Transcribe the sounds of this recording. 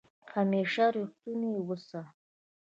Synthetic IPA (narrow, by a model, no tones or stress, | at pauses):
hameːʂaɾiχt̪uniwəsa